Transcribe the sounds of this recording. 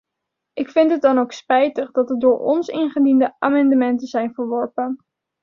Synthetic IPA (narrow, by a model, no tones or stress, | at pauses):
ʔɪkfɪntɦət̚dɑnowkspɛjtəχdɑtət̚dʊːɹɔ̰nsɪ̰nχədindəaːmɑndəmɛntəzɛjnvəɹʋɔɹpən